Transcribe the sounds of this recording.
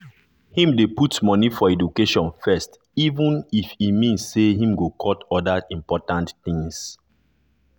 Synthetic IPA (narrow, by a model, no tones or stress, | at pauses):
hĩmdeputmɔnifɔɛdukeʃɔ̃nfɛst | ivũnifimĩnsseɦĩmɡokʰɔtɔdaĩmpɔtãntθĩŋs